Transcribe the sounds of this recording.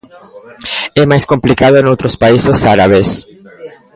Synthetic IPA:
ɛmajskõmplikaðʊẽnowt̪ɾospaisɪsaɾaβes

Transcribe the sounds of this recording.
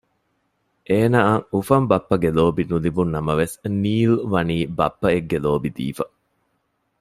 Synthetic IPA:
ʔeːnaːŋufɐmbɐpːɐɡeloːbinulibunːɐmɐʋesniːlʋɐniːbɐpːɐeɡːeloːbid̪ḭːfɐ

